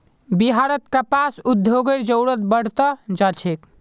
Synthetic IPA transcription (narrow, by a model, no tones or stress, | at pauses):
biɦaɾət̪kəpasud̪ʱjoɡəɾd͡ʒəwɽət̪bəɽ̤t̪əd͡ʒat͡ʃʰek